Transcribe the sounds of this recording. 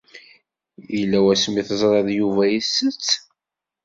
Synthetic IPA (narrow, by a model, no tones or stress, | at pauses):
jilːæwæsmiθəzˤɾˤɑðˤjuvæjəsət͡sː